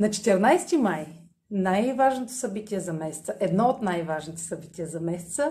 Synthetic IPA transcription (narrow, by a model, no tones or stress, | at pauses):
nɐt͡ʃɛ̥t̪ɛɾnajst̪imaj | najvaʒnot̪o̥sɐbit̪iɛzɐmɛsɛ̥t̪səʔɛd̪nɔot̪najvaʒnit̪ɛ̥sɐbit̪ʲijɛzɐmɛsɛ̥t̪sə